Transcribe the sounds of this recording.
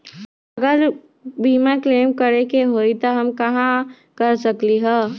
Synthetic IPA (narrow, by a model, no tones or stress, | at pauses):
əɡəɾ | bʱimãkleːmkəɾekeɦoit̪oɦɐmkɐɦã | kəɾsəkliɦɛ̃ː